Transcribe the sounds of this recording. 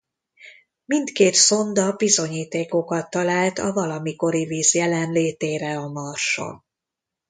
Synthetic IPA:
mint̪keːt̪so̞nd̪ɒbizo̞ɲiːt̪eːko̞kɒt̪ːɒlaːlt̪ɒ̰vɒlɒmiko̞ɾiviːzjɛlɛnleːt̪eːɾɛɒmɒrʃo̰l

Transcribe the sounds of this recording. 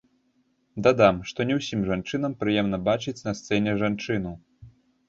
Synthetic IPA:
d̪ad̪amʂt̪ɔnʲɛwsʲimʐant͡ʂɨn̪ɐmpɾɨjɛmn̪ɐbat͡ʂɨt͡sʲnɐst̪sɛnʲɛʐant͡ʂɨn̪u

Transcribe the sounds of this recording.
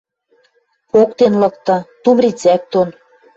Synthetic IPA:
pokt̪enlɤ̆k̚t̪ɤ̆t̪umɾit͡sæk̚t̪on

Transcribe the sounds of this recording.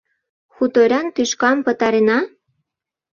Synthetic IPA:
xut̪oɾʲænt̪yʃkɑmpə̆t̪ɑɾenɑ

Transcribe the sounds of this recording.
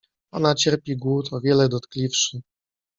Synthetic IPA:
ɔnat͡ɕɛɾpʲiɡwut̪ʰɔvʲjɛlɛd̪ɔt̪klʲifʂɘ

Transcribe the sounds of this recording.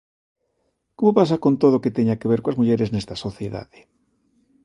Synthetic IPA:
komopasakont̪oðoket̪eɲakeβeɾkoazmuʎeɾeznest̪ɐsoθjeða̰ðe

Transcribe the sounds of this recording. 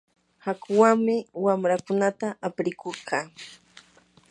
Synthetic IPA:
hakʊwaŋmɪwamɾakʊnat̪aʔapɾɪkoɾqʰɑː

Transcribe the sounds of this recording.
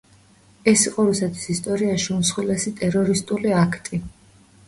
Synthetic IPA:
ɛsiqʼɔɾusɛt̪ʰi̥sist̪ʼɔɾiaʃunsχwilɛsit̪ʼɛɾɔɾist̪ʼuliakʰt̪ʼi

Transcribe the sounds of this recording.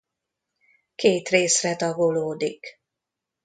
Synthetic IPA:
keːt̪reːsrɛt̪ɒɡoloːd̪ik

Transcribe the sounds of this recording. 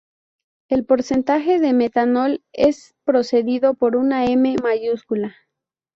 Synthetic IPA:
e̞lpo̞ɾse̞nt̪axe̞ðeme̞t̪ano̞les | pɾo̞se̞ðiðo̞po̞ɾunae̞me̞maʝuskula

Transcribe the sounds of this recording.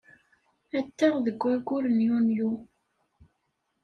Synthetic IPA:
æt̪ːæʁðəɡʷːæɡʷʊɾənjunju

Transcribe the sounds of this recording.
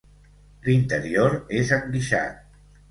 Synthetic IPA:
lint̪əɾioɾezəŋɡiʃa̰t̪̚

